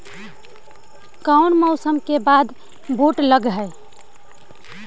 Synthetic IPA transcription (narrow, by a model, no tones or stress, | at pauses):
kaʊnmɔʊsəmkebad̪ | boʈləɡɦəe